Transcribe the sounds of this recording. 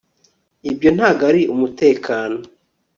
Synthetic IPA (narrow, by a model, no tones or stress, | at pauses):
ibjo̞n̥haɡaɾiʔumute̞ːkʰaːno̞